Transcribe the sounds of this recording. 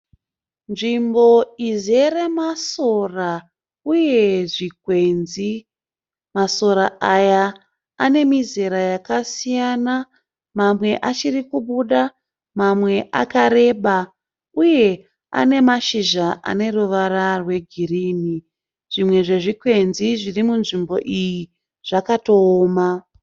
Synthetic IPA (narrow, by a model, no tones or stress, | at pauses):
nʐimbo̞ize̞ɾe̞maso̞ra | uje̞ʐik̚we̞nzi | maso̞ɾaajaː | ne̞mizeɾajakasijana | mamwe̞ʔat͡ʃirikuɓuɗa | mamwe̞ʔakaɾe̞ːɓa | uje̞ | a̰ne̞maʃiʒaʔa̰ne̞ruʋaɾarwe̞ɡʱiriːni | ʐ̥imwe̞ʐe̞ʐikwe̞nziʐirimunʐimbo̞̰ʔiji | ʐ̥akatoːma